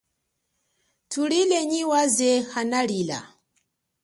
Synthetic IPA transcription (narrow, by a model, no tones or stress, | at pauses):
tʰulilɛɲiwazɛxanaɺila̰